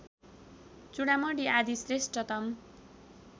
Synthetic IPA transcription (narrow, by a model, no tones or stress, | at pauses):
t͡suɽamʌɖiad̪isresʈʌt̪ʌm